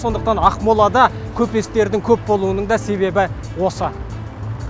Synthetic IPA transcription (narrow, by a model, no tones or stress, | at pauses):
so̞nd̪əq̚t̪ɑnɑqmulˠɑd̪ɑkʲʰɵpe̞st̪e̞ɾd̪ɪŋkʲʰɵp̚bo̞lˠuənəɴd̪ɑse̞βe̞bɪ | wo̞sə